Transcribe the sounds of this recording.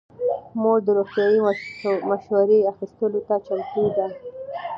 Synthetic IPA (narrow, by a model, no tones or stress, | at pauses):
moɽd̪əɾoxt̪jɑjimaʃwaɾeaxist̪əlot̪at͡ʃamt̪ud̪a